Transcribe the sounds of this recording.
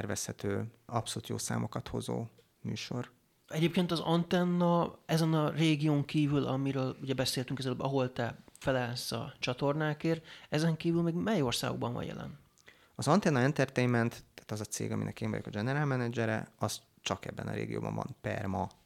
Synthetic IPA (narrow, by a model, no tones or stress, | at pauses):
ɛrvɛshɛt̪øːɒpsoluːt̪jo̰ːsa̰ːmo̞kɒt̪ho̞zo̰ː | my̰ːʃo̞r | ɛɟeːp̚keːnt̪ɒzɒnt̪ɛnːɒɛzɛnɒreːɡijoːŋkiːvylɒmiɾøːluɟɛbɛseːlt̪yŋkɛzɛløbɒɦo̞lt̪ɛfɛlɛlsɒ̰t͡ʃɒt̪o̞rnaːkeːrɛzɛŋkiːvylmeːɡmɛjorsa̰ːɡoɡ̚bɒ̰ɱvɒ̰ɲjɛ̰lɛ̰n | ɒzɒnt̪ɛnːɒɛnt̪ɛrt̪ejnmɛnt̪t̪aːt̪ɒzɒt̪seːɡɒminɛ̰keːɱvɒ̰jokɒd͡ʒɛnɛɾaːlmɛnɛd͡ʒɛɾɛ̰ɒs | t͡ʃɒkɛbːɛnɒ̰ɾḛːɡijo̰ːbɒ̰̃ɱvɒ̰npɛ̰rmɒ